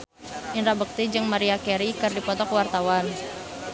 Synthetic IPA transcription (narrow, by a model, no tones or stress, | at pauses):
inɾabək̚t̪id͡ʒɨŋmaɾiakɛɾikɨrdipɔt̪ɔkwart̪awan